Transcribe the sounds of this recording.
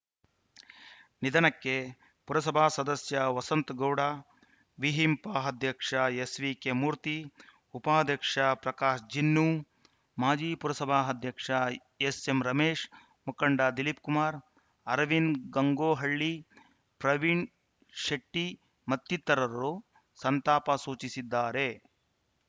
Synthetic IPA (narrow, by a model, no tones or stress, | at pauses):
nid̪ʱɐnɐkːe | puɾɐsɐbʱaːsɐd̪ɐsjɐʋɐsɐnt̪ɡɐwɽaː | ʋiɦimpaːɦɐd̪ʱjɐkʂɐjesʋikemuːɾt̪i | upaːd̪ʱjɐkʂɐpɾɐkaːʂd͡ʒinːu | maːd͡ʒiːpuɾɐsɐbʱaːɦɐd̪ʱjɐkʂɐ | esemɾɐmeːʂ | mukɐɳɖad̪ilipkumaːɾ | ɐɾɐʋinɡɐŋɡoːɦɐɭːi | pɾɐʋiɳ | ʃɐʈːi | mɐt̪ːit̪ːɐɾɐɾu | sɐnt̪aːpɐsuːt͡ʃisid̪ːaːɾe